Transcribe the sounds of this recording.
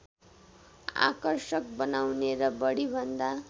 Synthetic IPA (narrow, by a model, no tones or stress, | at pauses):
a̰kʌrsʌk̚bʌnawneɾʌbʌɽibʱʌnd̪a